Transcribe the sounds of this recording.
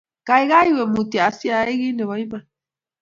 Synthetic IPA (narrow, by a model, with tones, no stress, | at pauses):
ka˨i˦ɣa˦i˦we˨mu˨ti˨a˨si˦a˨˦i˦ɣi˦nɛ˨βɔ˨˦i˦ma˨